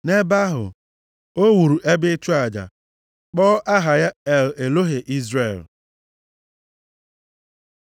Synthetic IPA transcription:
ne˦ba˦ɦʊ̰˨ | o˦wu˨ɾu˨ʔe˦bɪ˦t͡ʃu˦a˨d͡ʒa̰˨ | k͡pɔː˦ʔa˦ɦa˨ja˦ɛ˨le˨lo˦ɦe˨ʔi˦zɾe˦˨l

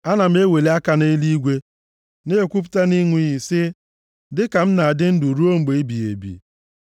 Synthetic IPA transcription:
a˦na˨m̩˦e˦we˨le˦a˦ka˦ne˦i˦li˦i˦ɡʷe˦ | ne˦e˨kʷu˦p̬ʊ̥˦ta˦ni˦ŋʷ˦i˦ɦi˨sɪ˦ | dɪ˦ka˨m̩˦na˨a˨dɪ˦n̩˦du˨ɾu˦o˦ŋ͡m̩˦ɡ͡be˨e˦bi˨ḛ˨bḭ˨

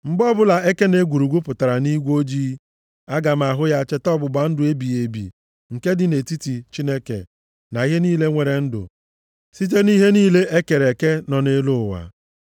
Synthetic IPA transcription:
m̩˨bɔ˦bʊ˦la˨e˦ke˦ne˦ɡʷu˨ɾu˨ɡʷu˦pʊ˨ta˨ɾa˨ni˦ɡʷo˦d͡ʒi˦ | a˦ɡa˨m̩˨a˨ɦʊ˦ja˦t͡ʃe˦tɔ˦bʊ˨ɡ͡ba˨n̩˦dʊ˨e˦bi˨e˨bḭ˨ | ŋ̩˨ke˦dɪ˨ne˨ti˦ti˨t͡ʃi˦ne˦kḛ˨ | na˨ɣɪ˦niː˦le˦ŋʷe˨ɾe˨n̩˦dʊ̰˨ | si˦t̬e˦ni˦ɦe˦niː˦le˦ʔe˦ke˨ɾe˨ke˦nɔ˨ne˦lʊ˦˨wa̰˨

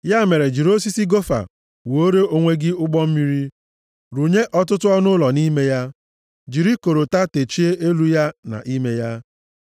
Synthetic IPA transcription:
ja˦˨me˨ɾe˨d͡ʒi˨ɾo˦si˦si˦ɡo˦fa̰˨ | wo˦ɾe˦o˦ŋʷe˦ɡɪ˦ʊ˦ɡ͡bɔ˦m̩˦mi˦ɾi˦ | ɾu˨ɲe˦ʔɔ˦tʊ˦tʊ˦ɔ˦nʊ˦lɔ˨ni˦me˦ja˦ | d͡ʒi˨ɾi˦ko˨ɾo˨ta˦te˨t͡ʃi˦e˦ʔe˦lu˦ja˦na̰˨ʔi˦me˦ja˦

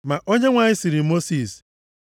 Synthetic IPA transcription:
ma˨ʔo˦ɲe˦ŋʷa˨ɲɪ˦si˨ɾi˨mo˦si˨s

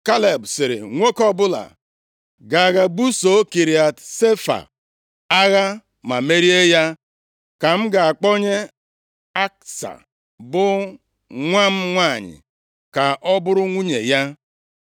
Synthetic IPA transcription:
ka˦le˨bsɪ˨ɾɪ̰˨ŋʷo˦kɔ˦bʊ˦la̰˨ | ɡa˨ɣa˨bu˦so˨˦ki˨ɾi˨a˨tse˦fa̰˨ | a˦ɣa˦ | ma˨me˦ɾi˦e˦ja˦ | ka˨m̩˦ɡa˨a˨k͡pɔ˦ɲe˦ | a˦k̚sa̰˨ | bʊ˦ | ŋʷa˦m̩˦ŋʷa˦˨ɲɪ̰˨ | ka˨ʔɔ˦bʊ˦ɾʊ˦ŋʷu˦ɲḛ˨ja˦

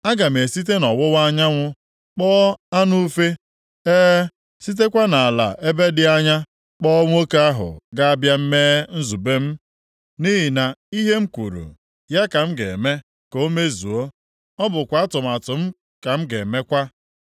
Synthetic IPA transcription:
a˦ɡa˨m̩˨e˨si˦t̬e˦nɔ˨wʊ˦wa˦ɲa˦ŋʷʊ˦ | k͡pɔː˦a˦nu˦fe˦ | eː˦ | si˦t̬e˦kʷa˦na˨a˨la̰˨ʔe˦be˦dɪ˦a˦ɲa˦ | k͡pɔ˦ŋʷ˦o˦ke˦a˦ɦʊ̰˨ɡa˦a˦bja˦m̩˦meː˦n̩˦zu˨be˦m̩˦ | ni˦ɦi˨na˨i˦ɦe˦ŋ͡m̩˦kʷṵ˨ɾṵ˨ | ja˦ka˨m̩˦ɡḛ˨me˦ | ko˦me˦zṵ˨o˦ | ɔ˦bʊ˨kʷa˨˦a˦tʊ˨m̩˨a˨tʊ˨m̩˦ | ka˨m̩˦ɡe˨me˦kʷa˦

